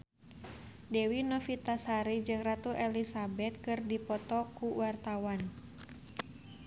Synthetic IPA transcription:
dɛwinɔfit̪asaɾid͡ʒɨŋrat̪uʔɛlisabɛt̪̚kɨrdipɔt̪ɔkuwart̪awan

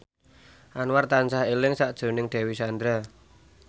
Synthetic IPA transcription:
ʔanwart̪ansahelɪŋsaʔd̥ʒ̥o̤nɪŋɖ̪̥ɛ̤wisand̪ɾa

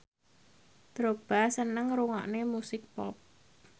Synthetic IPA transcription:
d̪̥ɾob̥a̤sənəŋɾuŋa̰ʔnemusɪk̚pɔ̰p̚

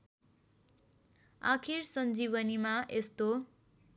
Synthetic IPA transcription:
a̰kʰirsʌnd͡ziβʌnimaʔest̪o

